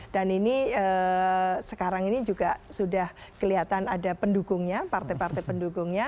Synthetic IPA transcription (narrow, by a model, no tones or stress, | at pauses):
d̥aniniə | səkaɾaŋinid͡ʒuɡasudahkəliat̪anadapəndukʊŋɲapart̪epart̪ɛpəndukʊŋɲa